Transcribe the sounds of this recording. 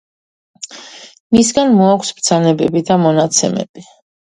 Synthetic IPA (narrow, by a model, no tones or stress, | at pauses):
misɡanmɔakʷʰsbd̪z̥anɛbɛbid̪amɔnat̪sʰɛmɛ̰b̥i